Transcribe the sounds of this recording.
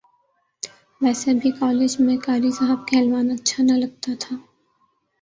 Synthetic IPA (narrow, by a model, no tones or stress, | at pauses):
ʋɛːsebʱikɔːleːd͡ʒmẽkaːɾisaɦəb̚keɦɛlʋaːnɐtːʃʰanɐlɐɡ̚t̪at̪ʰaː